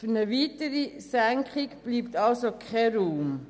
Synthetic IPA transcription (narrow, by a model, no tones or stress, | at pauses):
fyɾnəʋiːtəɾisæŋkʰχikb̥liːpt̪ɑlsokʰɛɾuːm